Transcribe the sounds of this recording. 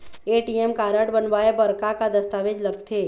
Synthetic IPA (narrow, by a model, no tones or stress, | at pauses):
eːʈiɛmkaːɾəʈbənbaːebɐɾkakad̪ɐst̪aːʋed͡ʒlɐɡt̪ʰeː